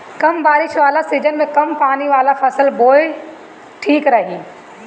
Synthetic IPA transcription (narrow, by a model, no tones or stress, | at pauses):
kɐmbaːɾɪʃʋaːlasiːd͡ʒənmẽkɐmpaːniʋaːlapʰɐsəlboːe | ʈʰiːkɾɐɦiː